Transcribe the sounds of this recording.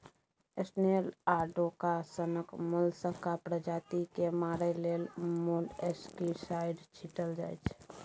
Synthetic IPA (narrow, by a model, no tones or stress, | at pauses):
esnelaːɾɖokasənəkmʊlsəkapɾəd͡ʒaːt̪ikemaːɾeleːlmuleskisaɪɖt͡ʃʰiʈəld͡ʒa̰ːjt͡ʃʰ